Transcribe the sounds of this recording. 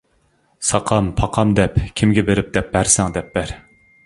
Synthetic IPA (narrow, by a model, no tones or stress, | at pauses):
sɑqʰɑmpʰɑqʰɑmd̪ɛpkʲʰimɡʲɛbeɾɪp̚d̪ɛp̚bæɾsɛŋd̪ɛp̚b̥æɾ